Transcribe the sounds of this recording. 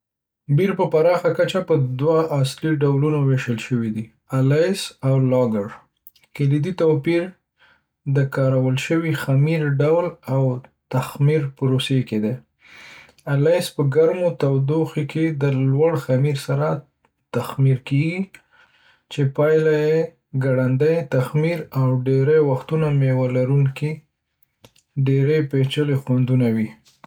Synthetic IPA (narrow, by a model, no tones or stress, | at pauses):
biɾpəpaɾɑxakat͡ʃapəd̪waːsliɖawlunoweʃəlʃəwid̪i | alɑjsawlɑɡəɽ | kelid̪it̪opiɾ | d̪əkɑɾawəlʃəwixamiɾɖawlawt̪axmiɾpʊɾoseked̪e | alajspəɡaɾmot̪awd̪oxikʰed̪əlwaɽxamiɾsaɾa | t̪axmiɾkeɡi | t͡ʃepɑjlaje | ɡaɽand̪əjt̪axmiɾawɖeɾajwaxt̪unamewalaɾuŋki | ɖeɾejpet͡ʃəlexwand̪unawi